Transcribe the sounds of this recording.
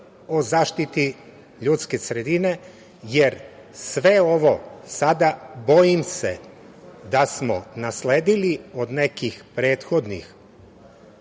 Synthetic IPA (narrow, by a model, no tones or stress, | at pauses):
o̞zaːʃt̪it̪i | ʎuːt̪skesɾe̞d̪ine̞ | jeɾ | sʋe̞o̞ʋo̞sad̪abo̞jimse | d̪asmo̰nasleːd̪iliod̪ne̞kixpɾe̞ːt̪xo̞d̪nḭx